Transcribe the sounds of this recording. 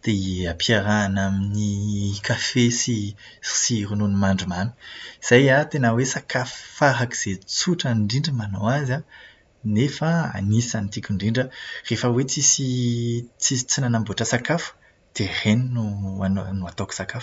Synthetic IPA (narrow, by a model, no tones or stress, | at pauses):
d̪̥eapʰiaɾaːnaminikafesi | siɾununimaɳɖ͡ʐumanu̥iz̥ajat̪enəwesakʰafu̥faɦaki̥z̥et͡suʈ͡ʂaɳɖ͡ʐiɳɖ͡ʐəmanowaza | nefaa̰nisanit̪ikʲuɳɖ͡ʐiɳɖ͡ʐərefəwet͡sisi | t͡si̥t͡sinanambuaʈ͡ʂəsakafu̥ | d̪̥ereninuanonuat̪oku̥sakafu̥